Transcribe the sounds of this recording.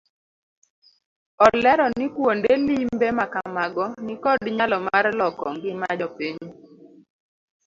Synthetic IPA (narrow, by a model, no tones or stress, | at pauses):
ɔlɛɾɔnɪkwondelimbemakamaɡɔnɪkɔdɲalɔmarlɔkɔŋɡɪmad͡ʒɔpiɲ